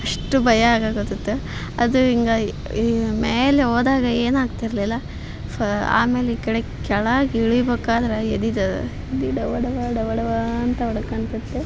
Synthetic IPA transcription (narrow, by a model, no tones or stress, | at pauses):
ɐʂʈubʱɐjɐaːɡaːɡot̪it̪ːu | ɐd̪uiŋɡɐ | meːleoːd̪aːɡɐeːnaːɡt̪iɾɐlilːɐ | ɐa̰ːme̞ːleikɐɽekɛɭɐaːɡiɭubeːkaːd̪ɐɾɐed̪id̪ɐ | ed̪iɖɐʋɐɽɐʋaɖɐʋɐɽɐʋaɐnt̪ɐɔɽɐkɐɳt̪ɐt̪ːe